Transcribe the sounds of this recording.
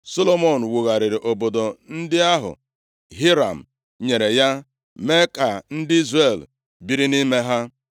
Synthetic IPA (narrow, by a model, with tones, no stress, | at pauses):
so˦lo˦mo˨n̩˨wu˨ɣa˨ɾɪ˨ɾɪ˨ʔo˨bo˨do˨n̩˦dɪ˦a˦ɦʊ̰˨ | ɦi˦ɾa̰˨m̩˨ | ɲe˨ɾe˨ja˦ | me˦ka˨n̩˦dɪ˦i˦zre˨l | bi˦ɾi˦ni˦me˦ɦa˦